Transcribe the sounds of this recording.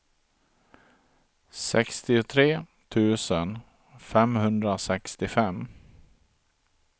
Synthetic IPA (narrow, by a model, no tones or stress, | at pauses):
sɛkst̪ɪʊt̪ʰɾeː | t̪ʰʉ̟ːsən | fɛmhɵnd̪ɾasɛkst̪ɪfɛm